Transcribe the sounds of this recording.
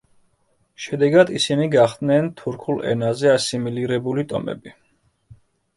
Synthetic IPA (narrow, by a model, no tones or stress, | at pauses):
ʃɛd̪ɛɡad̪isiniɡaχd̪nɛnt̪ʰuɾkʰulˠɛ̰nazɛasimiliɾɛbulit̪ʼɔ̰mɛ̰bi